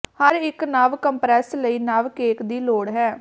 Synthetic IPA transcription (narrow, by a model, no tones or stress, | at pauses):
həɾɪknaːʋkəmpɾɛːsləiːnaːʋkeːkd̪iːloːɽɦɛː